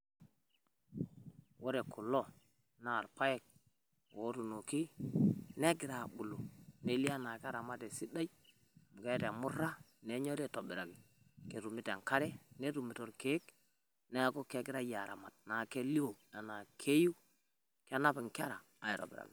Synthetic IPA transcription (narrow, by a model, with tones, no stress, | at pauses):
wo˦ɾe˨ku˨lo˦ | na˦˨ɾpa˦je˦˨k̚ | wo˨˦tu˨no˨ki˦ne˦ɡɪ˨ɾa˨ɓu˨lo˨ne˦li˦a˦na˨ka˦ɾa˨ma˦te˨si˦da˦j | mu˨ɡe˦ta˨mu˦ɾa˦ | ne˨˦ɲo˦ɾe˦˨to˨bi˨ɾa˨ɡi˨ | ke˨ɾu˨mi˦ta˨ŋka˦ɾe˦ne˦ɾu˨mi˨to˨ɾke˦k | ne˦a˦ko˦ke˨˦ɡi˦ɾa˦ja˨ɾa̰˨ma˨t̚na˨ke˦li˦o˨a˨na˨kʰe˦ju˦ | ka˦na˦pi˨ŋka˦ɾa˨ | a˨i˨to̰˨bḭ˨ɾa̰˨ɡi˨